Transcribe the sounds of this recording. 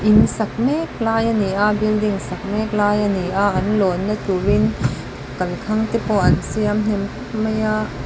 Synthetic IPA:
ʔinsɐk̚mɛk̚laːjaniʔabildiŋsɐk̚mɛk̚laːjaniʔaʔɐnlɔnːat̪uwin | kɐlkʰɐŋt̪ipɔʔɐnsiamn̥ɛmtap̚mɐjaʔ

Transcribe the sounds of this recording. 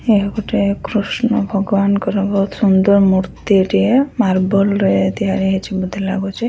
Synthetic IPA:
ekɔʈekɾusnɔbʱɔɡɔbankɔɾebʱɔɦut̪sund̪ɔɾmuɾt̪iʈiemaɾbɔlɾɔet̪iɦaɾeɦet͡ʃʰibud̪ʱilaɡot͡ʃʰi

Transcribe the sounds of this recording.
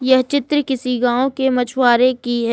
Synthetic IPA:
jɐɦt͡ʃɪt̪ɾəkɪsiɡãːõkemɐt͡ʃʰwaːɾekiɦɛ

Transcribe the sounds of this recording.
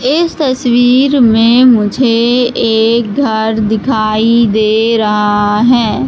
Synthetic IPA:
ɪst̪ɐswiːɾmẽmʊd͡ʒʱeeːk̚ɡʱɐɾd̪ɪkʰaːid̪eːɾɐɦaɦɛː

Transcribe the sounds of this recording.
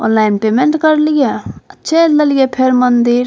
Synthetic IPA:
ɔ̰ːnlaːɪnpeːmẽɳʈkəɾlijeətːʃʰeləlijepʰeɾmənd̪iɾ

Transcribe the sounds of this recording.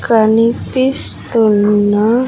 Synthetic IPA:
kanipist̪una

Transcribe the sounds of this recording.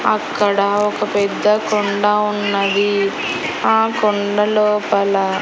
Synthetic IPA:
ɐ̰kːɐɽɐɔkɐpɛd̪ːɐkoɳɖɐunːɐd̪i | aːkoɳɖɐloːpɐlɐ

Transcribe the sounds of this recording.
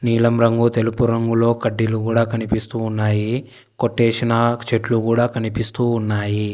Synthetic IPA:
niːlɐmɾɐŋɡut̪e̞lupuɾɐŋɡulo̞ːkɐɖːilukuːɽaːkɐnipist̪uːnːaːji | koʈːeːsinɐt͡ʃeʈlukuːɽaːkɐnipist̪uːnːaːji

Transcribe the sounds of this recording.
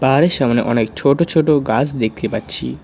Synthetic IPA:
baɦaɾeʃamneʔɔnekt͡ɕʰoʈot͡ɕʰoʈoɡat͡ɕʰd̪ek̚t̪epatːɕʰḭ

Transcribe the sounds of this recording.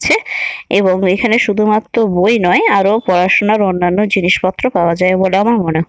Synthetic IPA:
t͡ɕʰeeboŋekʰaneʃud̪ʱumat̪ːɾobojnɔeaɾopɔɾaʃonaɾonːanːod͡ʑiniʃpɔt̪ːɾopaoad͡ʑaeboleamaɾmone

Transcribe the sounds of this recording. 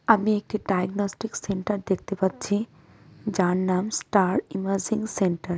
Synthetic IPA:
amiek̚ʈiɖajɡnɔsʈikseɳʈɐɾd̪ek̚ʰt̪epatːt͡ɕʰi | d͡ʑaɳnamsʈaɾiməɾd͡ʑiŋseɳʈəɾ

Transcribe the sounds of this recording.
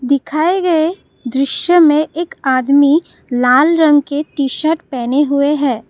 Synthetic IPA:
d̪ɪkʰaːeɡɐe | d̪ɾɪʃjəmẽʔeːkaːd̪mi | laːlɾɐ̃ŋɡkeʈiːʃəɾʈpɛːneɦʊeɦɛ̃ː

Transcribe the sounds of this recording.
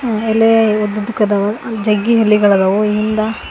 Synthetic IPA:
aeleod̪ɐd̪ukɐd̪ɐʋɐd͡ʒɐɡːiɦelːiɡɐɭɐd̪ɐʋoiind̪ɐ

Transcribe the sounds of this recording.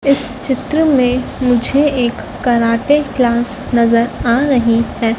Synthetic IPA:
ɪst͡ʃɪt̪ɾəmẽmʊd͡ʒʱeeːkːɐɾaːʈeklaːs | nɐzəɾaːɾɐɦihɛː

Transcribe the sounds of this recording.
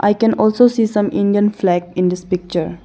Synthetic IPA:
ʔa̰ɪkɛ̃nʔɔːlsoːsiːsʌ̃mɪ̰̃nɖiə̃nflɛɡɪ̃nd̪ɪspɪk̚t͡ʃəɾ

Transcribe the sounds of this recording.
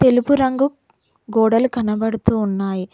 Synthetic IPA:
t̪e̞lupuɾɐŋɡu | ɡɔːɽɐlukɐnɐbɐɽut̪uːnːaːji

